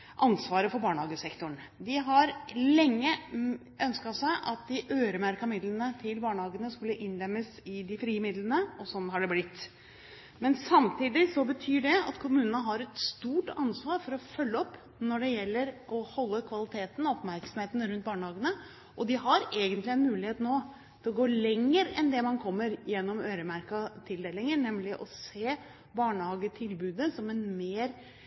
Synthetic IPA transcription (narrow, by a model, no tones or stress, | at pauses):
ʔɑnsʋɑːɾəfɔɾbɑːɳəhɑːɡəsɛkt̪ʊɳ | d̪ɪɦɑɾlɛŋːə | ʔœnskɑsæɪʔɑt̪̚d̪ɪʔøːɾəmæɾkɑmɪd̪lənət̪ʰɪlbɑːɳəhɑːɡənəskʉlːəʔɪnd̪ɛmːəsɪd̪ɪfɾiːəmɪd̪lənəɔsɔnɦɑɖɛblɪt̪ː | mɛnsɑmt̪ʰiːd̪ɪsɔbət̪ʰyːɖɛɑ̰t̪kʰʊmʉːnənəɦɑɾɛt̪st̪uːʈɑnsʋɑːɾfɔɾɔfœlːəɔpː | nɔɖɛjɛlːəɾʔɔhɔlːəkʰʋɑlɪt̪ʰeːt̪n̩ɔɔpmæɾksɔmheːt̪n̩ɾʉnt̪̚bɑːɳəhɑːɡənə | ʔɔd̪ɪɦɑɾeːɡənt̪lɪɛnmʉːlɪheːt̪noː | t̪ʰɛlɡoːlɛŋːəɾɛnd̪ɛmɑnkʰɔmːəɾjɛnːɔmøːɾəmæɾkɑt̪ʰɪld̪eːlɪŋənɛmlɪʔɔseː | bɑːɳəhɑːɡət̪ʰɪlbʉːd̪əsɔmɛnmeːɾ